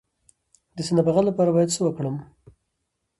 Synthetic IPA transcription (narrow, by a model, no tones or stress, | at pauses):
d̪əsanabaɣalːapɑɾabɑjad̪səwəkɽəm